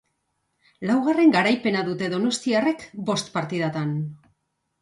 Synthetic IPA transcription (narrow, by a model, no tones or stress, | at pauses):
lawɣ̞are̞ŋɡaɾajpe̞naðut̪e̞ðo̞no̞st̪iare̞kbo̞st̪paɾt̪iðat̪an